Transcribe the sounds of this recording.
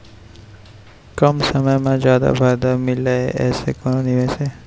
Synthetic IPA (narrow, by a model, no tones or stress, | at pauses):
kəmsəməjmãd͡ʒjaːd̪a̰bʰʱaːjd̪amɪleeʔɛːsekononiʋese